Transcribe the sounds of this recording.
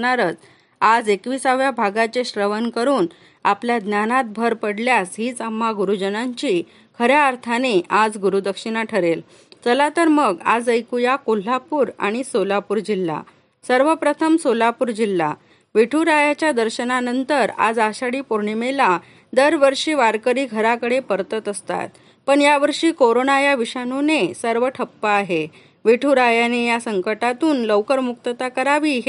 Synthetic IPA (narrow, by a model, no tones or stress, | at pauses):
naɾət͡s | ad͡zekʋiːsaʋjabʱaɡat͡ɕeɕɾəʋənkəɾuːn | apljad̪njanat̪̚bʱəɾpəɽljasɦiːt͡səm̤ːaɡuɾud͡ʑənaɲt͡ɕi | kʰəɾjaːɾt̪ʰaneʔad͡zɡuɾud̪əkʂinaʈʰəɾel | t͡səlat̪əɾməɡa̰d͡zəjkujakol̤apuːɾa̰ɽ̃isolapuːɾd͡ʑilːa̰ | səɾʋəpɾət̪ʰəmsolapuːɾd͡ʑilːa | ʋiʈʰuɾajat͡ɕjad̪əɾɕənanənt̪əɾa̰d͡zaɕaɽiːpoɾɳimela | d̪əɾʋəɾʂiːʋaɾkəɾiːɡʱəɾakəɽepəɾt̪ət̪əst̪a̰t̪̚ | pəɳjaʋəɾʂiːkoɾonajaʋiɕanunesəɾʋəʈʰəpːəaɦe | ʋiʈʰuːɾajanejasəŋkəʈat̪uːnləwkəɾmukt̪ət̪akəɾaʋiɦ